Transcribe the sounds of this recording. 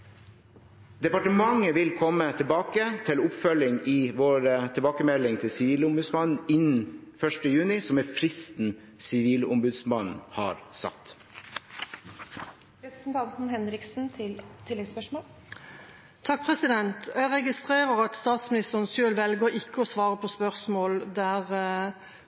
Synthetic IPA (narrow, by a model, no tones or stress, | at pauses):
d̪ɛpɑʈəmɑŋːəʋɪlkʰɔmːət̪ʰɪlbɑːkət̪ʰɪlʊpfœlɪŋɪʋoːɾət̪ʰəlbɑːkəmɛlːɪŋt̪ʰɪlsɪʋiːləʊmbʉd̪smɑnn̩ɪnn̩fœʂʈəjʉːnɪsɔmɛfɾɪst̪n̩ | sɪʋiːlʊmbʉd̪smɑnn̩hɑ̰ɾsɑ̰t̪ː | ɾɛpɾəsn̩t̪ʰɑnt̪n̩hɛnɾɪksn̩t̪ʰɪlt̪ʰɪlːɛɡspœʂmoːl | t̪ʰɑk̚pʰʁɛsɪd̪ɛnt̪jæɾɛɡɪst̪ʁeːʁəʁɑt̪st̪ɑːt̪smɪnɪst̪əʁnsølʋɛlɡəɾɪkːəɔsʋɑːʁəpʰɔspœʁsmoːld̪æʁ